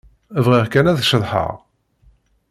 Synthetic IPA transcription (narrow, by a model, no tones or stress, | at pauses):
vʁiʁkænæðʃəðˤħə̰ʁ